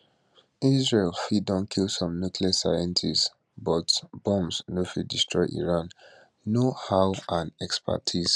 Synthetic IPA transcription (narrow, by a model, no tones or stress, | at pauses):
izɹelfidɔ̃nkʰilˠsɔ̃mnukliasa̰jɛ̃ntʰis | bɔtb̥ɔ̃msnofḭdistɹɔɪʔḭɹãnː | ohaʊãnɛkspʰa̰tʰiz̥